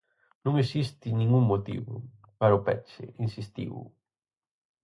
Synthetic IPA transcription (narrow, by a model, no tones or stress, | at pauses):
nũŋesist̪inĩŋɡuŋmot̪ḭβʊ̰ | paɾaupɛ̰t͡ʃḛinsist̪ḭṵ